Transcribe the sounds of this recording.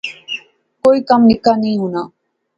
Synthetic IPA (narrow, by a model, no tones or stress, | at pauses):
koːiːkəmnɪkaːnəɦĩːɦʊnaː